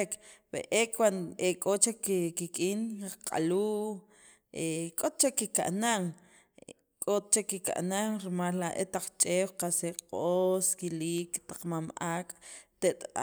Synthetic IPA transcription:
kbḛʔekʰwanekʼot͡ʃakkikʼiːnqʼa̰luː | ekʼot̪̚t͡ʃekːika̰ʔnaŋ | kʼot̪̚t͡ʃekːika̰ʔnaŋɾimalːaʔḛt̪aq͡χt͡ʃʼeːwqaseqʼoskiliːkt̪ḁq͡χmamaːkʼt̪eʔt̪a

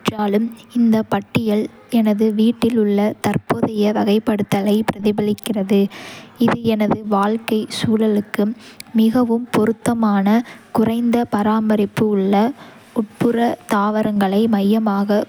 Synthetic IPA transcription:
ʈraːlɯmɪnd̪ɐpɐʈːɪjɐl | ɛnɐðɯʋiːʈːɪlʊɭːɐt̪ɐrpoːðɐjɐʋɐɣɐɪpːɐɽɯt̪ːɐlɐɪpɪɾɐðɪbɐlɪkːɪrɐðɯɪðɯɛnɐðɯʋaːlkɐɪsuːlɐlɯkːɯːɪɣɐʋɯmpʊɾɯt̪ːɐmaːnɐkʊrɐɪnd̪ɐpɐɾaːmbɐɾɪpːɯɯɭːɐ | ʊʈ̚pɯrɐt̪aːʋɐɾɐŋɡɐɭɐɪmɐjːɐmaːɣɐ

